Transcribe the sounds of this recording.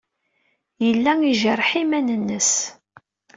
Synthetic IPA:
jəlːæŋiʒərˤħimænənːəs

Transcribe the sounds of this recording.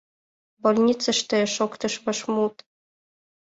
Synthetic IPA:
bolʲnʲit͡sə̆ʃt̪ɘ̆ʃokt̪ɤ̆ʃmɤ̆ʃmut̪

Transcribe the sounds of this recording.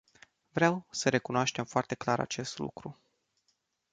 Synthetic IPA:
vɾeawsəɾe̞kunoaʃt̪e̞mfoart̪e̞klaɾa̰t͡ʃe̞st̪lṵkɾu

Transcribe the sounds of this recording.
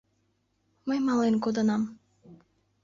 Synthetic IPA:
mɤjmɑlˠenkod̪ɤnɑm

